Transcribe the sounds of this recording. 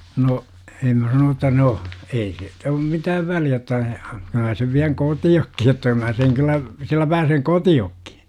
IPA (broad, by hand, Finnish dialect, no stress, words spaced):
no em mæ sɑnoːn otːɑ no ei siːt om mitæːʋ ʋæliæ otːɑ kyl mæ seʋ ʋiæŋ kotiokːi jotːɑ mæː seŋ kylːæ silːæ pæːseŋ kotiokːi̥